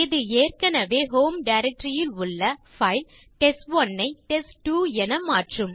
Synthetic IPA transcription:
ɪðɯeːrkɐnɐʋeːɦoːmɖɐɪɾɛk̚ʈɾɪjɪlʊɭːɐ | fɐɪl | ʈɛsʈʋɔnːɐɪʈɛsʈuːɛnɐmaːʈrɯm

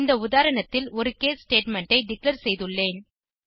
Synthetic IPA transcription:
nd̪ɐʊðaːɾɐɳɐt̪ːɪlɔɾɯkeːssʈeːʈmɛɳʈɐɪɖɪklɐɾsɛjðɯɭːeːn

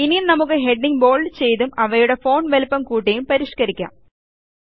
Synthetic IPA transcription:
ininɐmuk̬ːɨɦe̞ɖniŋbo̞ːɭt͡ɕe̞jt̪umɐʋɐjuɽe̞fo̞ːnʋelpːɐmkuːʈ̬ːejumpɐɾiʂkɐɾikʲːa̰ːm

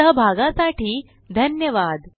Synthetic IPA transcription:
əɦbʱaɡãsaʈiː | d̪ʱənjəʋad̪

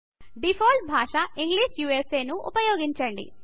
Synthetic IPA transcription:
ɖipʰoːlʈ̚bʱaːʂɐʔiŋɡliːʂjuːese̞ːnuʔṵpɐjoːɡiɲt͡ʃɐɳɖḭ

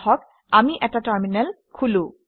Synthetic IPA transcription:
hɔk | amiʔɛtataɹminɛl | kʰulũ

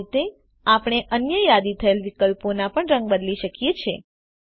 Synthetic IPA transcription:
t̪e | apɽɳ̃eʔənjəjad̪it̪ʰəelʋikəlponapəɳɾə̃ŋɡ̚bəd̪liʃəkjet͡ʃʰe

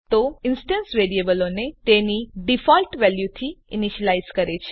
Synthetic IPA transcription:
t̪oɪnsʈə̃nsʋeɾiebəlonet̪eniɖifɔlʈʋɛljut̪ʰiɪniʃəlaizkəɾet͡ʃʰe

